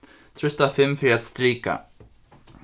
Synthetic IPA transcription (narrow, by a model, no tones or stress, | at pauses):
t̪ʰɾʏst̪afɪmfɾiat̪st̪ɾiːka̰